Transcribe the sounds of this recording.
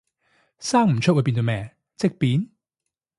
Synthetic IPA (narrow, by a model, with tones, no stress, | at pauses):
saː˥ŋm̩˨˩t͡ʃʰɵ˥wu˨˧jpi˧nt̪o˧mɛː˨˧ŋ | t͡sɪ˥k̚piː˨˥n